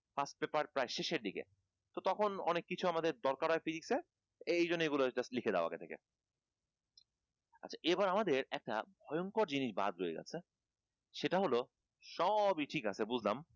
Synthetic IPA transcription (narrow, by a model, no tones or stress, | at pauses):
fasʈ̚pepaɾpɾajʃeʃeɾd̪ikḛ | t̪ot̪ɔkʰonɔ̰nekːit͡ɕʰuamad̪eɾd̪ɔɾkaɾɔefidikse | ejonːeɡuloeʈaslikʰed̪aoa̰ket̪ʰekḛ | a̰tːt͡ɕʰaʔebaɾamad̪eɾɛk̚ʈa̰bʱɔjoŋkoɾd͡ʑiniʃba̰d̪ɾoeɡɛ̰t͡ɕʰe | ʃeʈaɦolo | ʃɔbiʈʰikat͡ɕʰebud͡ʑʱlam